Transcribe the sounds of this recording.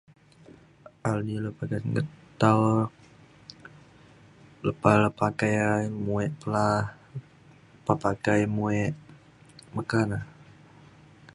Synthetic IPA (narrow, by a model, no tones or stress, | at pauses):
alniləpakajŋə̰t̪aw | ləpaləpakajamuɛʔpəlah | papakajmuɛʔ | məkana